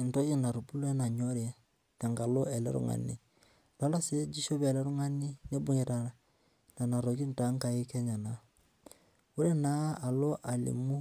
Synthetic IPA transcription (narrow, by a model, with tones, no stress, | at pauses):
n̩˨to˦ɡi˦na˨ɾu˨bu˦lɛ˦na˨ɲo˦ɾɛ˦ | ta˨ŋɡa˨lo˦ɛ˨lɛ̰˦ɾṵ˦ŋa̰˨nḭ˨ | la˨˦la˦se˦d͡ʒi˦ʃo˦bɛ˨lɛ˦ɾu˦ŋa˦ni˦ne˦bʊ˦ɲɛ˨ɾa˨na˨ | na˨na˨ɾo˨ɡi˦n˨ta˨˦ŋka˨ji˦kɛ˦ɲa˨na˨˦ | wu˦ɾɛ˦na˦a˨lo˦ʔa˨lḭ˨mu˦